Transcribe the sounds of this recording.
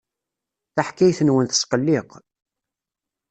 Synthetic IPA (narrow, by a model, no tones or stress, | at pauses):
θaħkːæjθənwənθə̥sqəlːɪq